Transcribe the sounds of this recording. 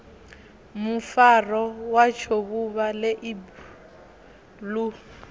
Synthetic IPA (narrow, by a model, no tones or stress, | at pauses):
mufarɔwat͡ʃʰoβuβaleʔib | lu